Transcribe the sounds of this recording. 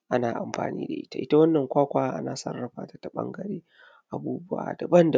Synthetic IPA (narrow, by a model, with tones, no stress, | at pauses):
ʔa˦naː˨ʔa˨mɸa̰ː˨nḭː˦da̰˨ʔɪ̰˦ta̰˨ʔɪ˦ta˦wɐ˦nːɐ˨ŋkʷaː˦kʷaː˦ʔa̰˦naː˨sɐ˦rːɐ˨ɸa̰ː˦ta˨˦ta˨ɓɐ̰˦ŋɡɐ˨ɾeː˦ | ʔa˨buː˦bʊ˦ʔa̰˨da˨bɐ˦nda˨